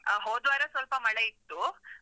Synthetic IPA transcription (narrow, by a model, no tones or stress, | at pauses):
ɦoːd̪ʋaɾesʋɐlpɐmɐɭeit̪ːu